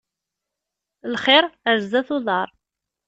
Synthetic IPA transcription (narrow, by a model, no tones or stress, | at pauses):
lχɪɾəɾzːæθʊðˤɑɾˤ